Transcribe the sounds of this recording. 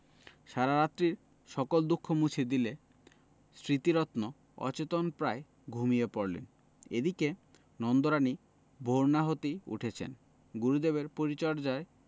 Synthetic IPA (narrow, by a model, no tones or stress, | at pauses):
ʃaɾaɾat̪ːɾiɾ | ʃɔkold̪ukʰːomut͡ɕʰid̪ile | sɾit̪iɾɔt̪no | ɔ̰t͡ɕet̪onpɾae | ɡʱumijepoɾlḛn | ḛd̪ike | nɔnd̪oɾani | bʱoɾnaɦot̪iṵʈʰet͡ɕʰḛn | ɡuɾud̪eβeɾpoɾit͡ɕɔɾd͡ʑae